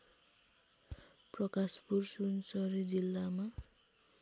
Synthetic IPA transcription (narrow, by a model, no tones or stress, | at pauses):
prʌkaspursunsʌɾid͡zilːama